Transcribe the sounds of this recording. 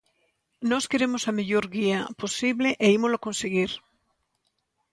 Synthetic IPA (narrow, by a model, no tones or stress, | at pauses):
nɔskeɾemosameʎoɾɣiaposiβleʔeimoloakonseɣ̞iɾ